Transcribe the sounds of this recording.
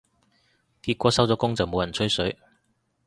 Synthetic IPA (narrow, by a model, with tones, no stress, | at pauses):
k̪iː˧t̚kʷɔː˨˥sɐ˥wt͡sɔː˨˥kʊ˥ŋt͡sɐ˨wmo˨˧wjɐ˨˩nt͡sʰɵ˥ɥsɵ˨˥ɥ